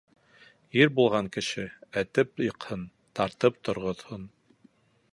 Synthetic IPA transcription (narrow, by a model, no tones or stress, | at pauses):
jiɾbulˠʁɑŋkɘ̆ʃɘæt̪ɘp̚jɤ̆qhɤn | t̪ɑɾt̪ɤp̚t̪ŏɾʁŏðhon